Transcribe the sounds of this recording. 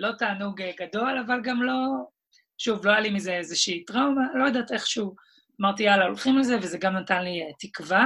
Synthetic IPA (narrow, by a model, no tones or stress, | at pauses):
lo̞t̪aːnuɡɡado̞lavalɡamlo̞ | ʃuvloajalimizeezeʃiːtʁawmalo̞jad̪aːt̪eχʃu | amaʁt̪ialaolχimlezevezeɡamnat̪anliet̪ikva